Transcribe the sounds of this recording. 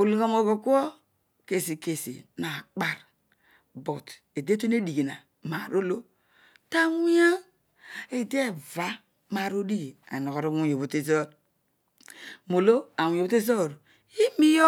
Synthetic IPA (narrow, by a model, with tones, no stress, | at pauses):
o˨lu˨ɣa˨mo˨ɡo˨ku˦o˦ | ke˨si˨ke˨sḭ˨na˨k͡pa˦ɾ | bo˨t | e˨de˦to˦ne˦di˨ɡi˨na˨ | ma˨ɾo˦lo˦ | ta˦wʷi˦a˦ | e˨de˦˨va˦ | ma˨ɾo˦di˦˨a̰˨no˨ɣo˨ɾe˦wu˦jo˨βu˨te˦zo˦d | mo˨lo˦a˨wu˨jbo˦te˦zo˦˨ɾ | i˦mi˦jo˦